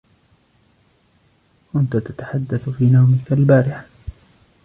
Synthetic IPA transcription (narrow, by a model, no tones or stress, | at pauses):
ʔʊnt̪at̪at̪ḁħad̪ːaθfiːnawmɪkalbaːɾɪħ